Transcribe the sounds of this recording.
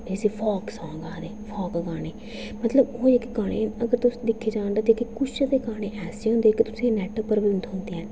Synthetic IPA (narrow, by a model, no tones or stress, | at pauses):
ɪseːpʰɔːksãːɡaːd̪eːpʰɔːkɡaːɽ̃eː | mət̪ləboːd͡ʒekeɡaːɽḛːəɡəɾt̪ʊsd̪ɪkʰːeːd͡ʒãːɳd̪aːt̪ekekʊt͡ʃːd̪eːɡaːɽ̃eːʔɛːseːɦʊ̃nd̪eːkɪt̪ʊ̥sẽːnɛːʈəpəɾʋiɪnt̪ʊ̃nd̪iːɛː